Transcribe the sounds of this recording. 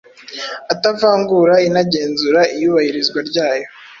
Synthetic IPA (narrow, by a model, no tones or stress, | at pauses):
atavaːŋɡuɾainaɟe̞ːnzuɾaʔijuːβahiɾizɡwaɾɟaːjo̞